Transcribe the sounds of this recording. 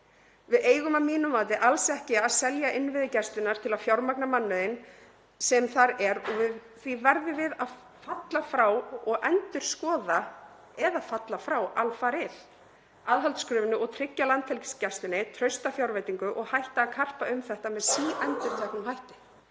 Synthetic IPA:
vɪðeːjɣʏmamiːnʏmaːt̪̬ɪʔalsɛhcɪaðsɛljaʔɪnvɪðɪcɛst̪ɪnaɾ̥t̪ʰɪlaðfjawɾmaknamanːʏɪn | sɛmθaɾɛɾɔvɪð | θvivɛɾðʏvɪðað | fat̪lafɾawɔɣʔɛnt̪ʏɾ̥skɔːða | ɛðaðfat̪lafɾawʔalfaɾɪð̥ | aðɦalt̪skɾʏːvɪnʏɔɣt̪ʰɾɪcːalant̪fɛlcɪ̥scɛrst̪ɪnɪt̪ʰɾœɥst̪afjawɾvajt̪iŋkʏʔɔɣhajht̪aːkʰar̥paʏmθɛht̪amɛðsiːʔɛnt̪ʏɾ̥t̪ʰɛhknʏmhajht̪ɪ̥

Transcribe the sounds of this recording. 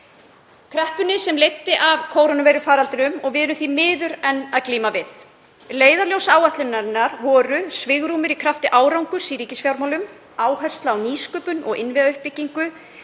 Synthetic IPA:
kʰɾɛhpʏnɪsɛmlejt̪ːɪʔavkʰoːwɾonʏvɛjɾʏfaːɾalt̪ɪɾʏmɔɣvɪðɛɾʏmθvimɪːðʏɾɛnːaðkliːmavɪθ | leːjðaljowsaːwaht̪lʏnːaɾɪnːaɾvɔːɾʏsvɪɣɾuːmɪɾikʰɾaft̪ɪʔaːwɾawŋkʏɾ̥siɾiːcɪsfjawɾmawlʏm | aːwhœ̥st̪laːwniːskœːpʏnɔ̰ɣʔɪnvɪðaʏhpːɪcːiŋkʏ

